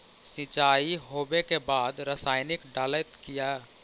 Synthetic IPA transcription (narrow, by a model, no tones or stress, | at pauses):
sɪ̃t͡ʃaːiɦoːbekebaːd̪ɾəsaːɪnɪkɖaːlət̪kija